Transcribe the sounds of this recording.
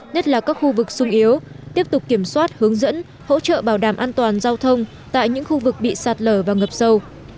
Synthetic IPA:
ɲə˦˥t̚laː˨˩kaː˦˥k̚xu˧vɨ˨˩k̚sʊ˧ŋ͡mʔi˨˦əw | t̪i˦˥əp̚t̪ʊ˨˩k͡p̚kːi˧˩əmswaː˦˥t̚hɨ˨˦əŋzə̰˧˥n | ho̰˧˥t͡ɕə̰ː˧˨ɓaː˧˩wɗaː˧˩mʔaː˧nt̪waː˨˩nzaː˧wt̪ʰə˧wŋ͡m | t̪a̰ː˧˨jɲɨ̰˧˥ŋxu˧vɨ˨˩k̚ɓḭ˧˨saː˨˩t̚ləː˧˩vaː˨˩ŋə˨˩p̚sə˧w

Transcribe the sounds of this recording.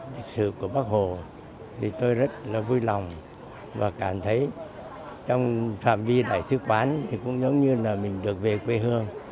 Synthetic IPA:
li˨˩k̚sɨ̰˧˨ku˧˩əɓaː˦˥k̚ho˨˩ | t̪ʰi˨˩t̪o˧jzə˦˥t̚laː˨˩vu˧jlɔ˨˩wŋ͡m | vaː˨˩kaː˧˩mt̪ʰə˨˦j | t͡ɕɔ˧wŋ͡mfa̰ː˧˨mvi˧ɗa̰ː˧˩jsɨ˨˦kwaː˨˦nt̪ʰi˨˩kʊ̰˧˥ŋ͡mzə˨˦wŋ͡mɲɨ˧laː˨˩mï˨˩ŋ̟ɗɨ˨˩ək̚ve˨˩kwe˧ɦɨ˧əŋ

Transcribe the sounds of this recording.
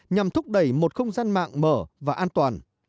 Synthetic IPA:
ɲa˨˩mt̪ʰʊ˦˥k͡p̚ɗə˧˩jmo˨˩t̚xə˧wŋ͡mzaː˧nma̰ː˧˨ŋməː˧˩vaː˨˩ʔaː˧nt̪waː˨˩n

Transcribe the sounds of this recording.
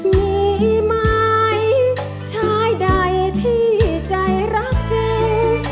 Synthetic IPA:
miː˧ma˧j | t͡ɕʰaː˦˥jda˧˩jt̪ʰiː˥˩t͡ɕa˧jɾa˦˥k̚t͡ɕe˧w

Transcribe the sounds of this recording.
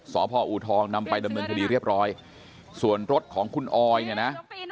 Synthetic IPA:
sɔː˩˦pʰɔː˧ʔu˨˩t̪ʰɔː˧ŋna˧mpa˧jda˧mnɤː˧nkʰa˧diː˧ɾi˥˩əp̚ɾɔː˦˥j | su˨˩ənɾo˦˥t̪̚kʰɔː˩˦ŋkʰu˧nʔɔː˧jni˧˩na˦˥

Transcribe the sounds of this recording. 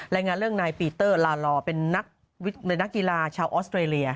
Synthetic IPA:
ɾaː˧jŋaː˧nɾɯ˥˩əŋnaː˧jpiː˧t̪ɤː˥˩laː˧lɔː˧pe˧nːa˦˥k̚ | wi˦˥e˧nːa˦˥kːi˧laː˧t͡ɕʰaː˧wʔɔː˦˥st̪ɾeː˧li˧ɐ

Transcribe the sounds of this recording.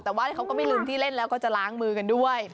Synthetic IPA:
t̪ɛː˨˩waː˧˩ni˧˦˩xa˧˦wkɔː˨˧˥maː˧˥˩jlɨː˨˩mt̪ʰiː˧˩le˧˥˩nlɛː˦˥wkɔ˨˧˥t͡ɕa˧˩laː˨˦˥ŋmɯː˧˩ka˨nɗu˧˩əj

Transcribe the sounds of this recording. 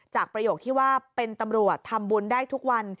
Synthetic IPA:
t͡ɕaː˨˩k̚pɾa˧joː˨˩k̚t̪ʰiː˥˩waː˥˩pe˧nt̪a˧mɾu˨˩ət̪ʰːa˧mbu˧ndaː˥˩jt̪ʰu˦˥k̚wa˧n

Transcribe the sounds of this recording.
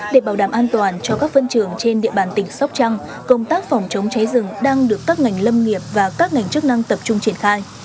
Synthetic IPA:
ɗe˧˩ɓaː˧˩wɗaː˧˩mʔaː˧nt̪waː˨˩nt͡ɕɔ˧kaː˦˥k̚fə˧nt͡ɕɨ˧˩əŋt͡ɕe˧nɗḭ˧əɓaː˧˩nt̪ï˧˩ŋ̟sɔ˦˥wk͡p̚t͡ɕa˧ŋ | kə˧wŋ͡mt̪aː˦˥k̚fɔ˨˩wŋ͡mt͡ɕə˨˦wŋ͡mt͡ɕa˨˦jzɨ˨˧˩ŋɗaː˧ŋɗɨ˨˩əkːaː˦˥k̚ŋa˨˩jŋ̟lə˧mŋi˨˩əp̚vaː˨˩kaː˦˥k̚ŋa˨˩jŋ̟t͡ɕɨ˦˥ək̚na˧ŋt̪ə˨˩p̚t͡ɕʊ˧ŋ͡mt͡ɕi˧˩ənxaː˧j

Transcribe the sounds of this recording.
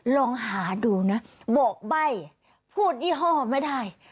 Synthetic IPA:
lɔː˧ŋɦaː˩˦duː˧na˦˥bɔː˨˩k̚ba˧˥˩j | pʰuː˥˩t̪̚ʔiː˥˩ɦɔ̃ː˥˩ma˥˩jda˥˩j

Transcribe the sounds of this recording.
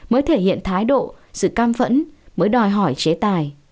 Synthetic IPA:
məː˨˦jt̪ʰe˧˩hḭ˧˨ənt̪ʰaː˨˦jɗo̰˧˨sɨ̰˧˨kaː˧mfə̰˧˥nməː˨˦jɗɔ˨˩jɦɔ˧˩jt͡ɕe˨˦t̪aː˨˩j

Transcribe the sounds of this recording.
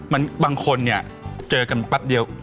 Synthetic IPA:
ma˧nbaː˧ŋkʰo˧nːi˥˩ɐ | t͡ɕɤː˧ka˧npa˦˥p̚di˧əw

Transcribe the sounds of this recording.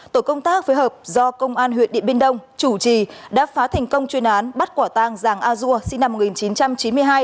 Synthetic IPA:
t̪o˧˩jkə˧wŋ͡mt̪aː˦˥k̚fo˨˦jɦəː˨˩p̚zɔ˧kə˧wŋ͡mʔaː˧nɦḭ˨˧˨ət̚ɗḭ˧˨əɓe˧nɗə˧wŋ͡mt͡ɕu˧˩t͡ɕi˧˩ɗa̰ː˧˥faː˨˦t̪ʰa˨˩jŋ̟kə˧wŋ͡mt͡ɕwi˧ənʔaː˨˦nɓa˦˥t̚kwaː˧˩t̪aː˧˩ŋzaː˧˨˩ŋʔaː˧zu˧əsi˧ŋna˧mo˨˩ŋi˨˩nt͡ɕi˨˦nt͡ɕa˧mt͡ɕi˨˦nmɨ˧əjɦaː˧j

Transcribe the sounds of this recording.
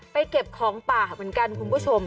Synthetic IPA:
pa˧jke˨˩p̚kʰɔː˩˦ŋpaː˨˩mɯ˩˦nka˧nkʰu˧npʰu˥˩t͡ɕʰo˧m

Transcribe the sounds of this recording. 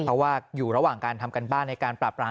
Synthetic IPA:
ɔ˦˥waː˥˩juː˨˩ɾa˧waː˨˩ŋkaː˧nt̪ʰa˧mka˧nbaː˥˩ŋna˧jkaː˧npɾaː˨˩p̚ːɾaː˧˥

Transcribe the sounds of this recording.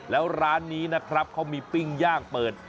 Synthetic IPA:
lɛː˦˥wɾaː˦˥nːiː˦˥na˦˥kʰɾa˦˥p̚kʰa˦˥wmiː˧pi˥˩ŋjaː˥˩ŋ̚pɤː˨˩t̪̚

